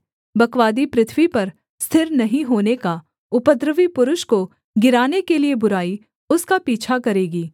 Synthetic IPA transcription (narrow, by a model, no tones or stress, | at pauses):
bɐkʋaːd̪ipɾɪt̪ʰʋipɐɾ | st̪ʰɪɾnɐɦĩɦoːneka | ʊpəd̪ɾəʋipʊɾʊʃko | ɡɪɾaːnekeliebʊɾaːi | ʊskapiːt͡ʃʰakɐɾeːɡiː